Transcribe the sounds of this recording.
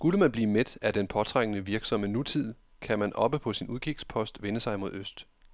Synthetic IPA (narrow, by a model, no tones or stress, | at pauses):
sɡ̥uləmænb̥liːmed̥æd̥enpʰɒ̽t͡sʰʁaŋ̰ənəʋiɐɡ̥sɒ̽mənut͡sʰið̞̰ˠ | kʰæmænʔɒ̽b̥əpʰɒ̽sinuð̞ˠɡ̥ʰiɡ̥spʰɒ̽sd̥ʋenəsɑ̈ɪmo̝ð̞̰ˠøsd̥